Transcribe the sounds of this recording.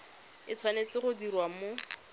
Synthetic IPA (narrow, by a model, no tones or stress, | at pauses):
ɪt͡sʰwanet͡sɪχʊdiɾwamo